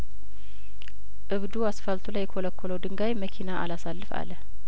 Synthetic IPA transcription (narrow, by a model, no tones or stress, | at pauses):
ʔɨβd̪uasfəlt̪ʰulajːkʰoləkːɔləwd̪ɨŋɡajməkʰinaʔa̰lasalːɨfa̰lə